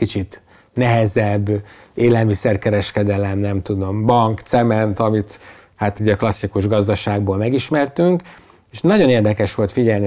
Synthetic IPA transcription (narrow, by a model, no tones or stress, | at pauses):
kit͡ʃit̪ | nɛɦɛzɛbːeːlɛlmisɛrkɛɾɛʃkɛd̪ɛlɛmnɛmt̪ud̪o̞mbɒŋkt̪sɛmɛnt̪ɒmit̪ | hat̪iːɟɒklɒsːikuʒɡɒzd̪ɒʃaːɡboːlmɛɡiʃmɛrt̪yŋk | eʃnɒɟo̞neːrd̪ɛkɛʃʋo̞lt̪fiɟɛlni